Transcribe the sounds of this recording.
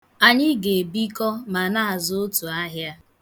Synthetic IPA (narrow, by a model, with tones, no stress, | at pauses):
a˨ɲɪ˦ɡe˨bi˦kɔ˦ma˨na˦a˨zʊ˦o˦tu˨a˦ɦja˦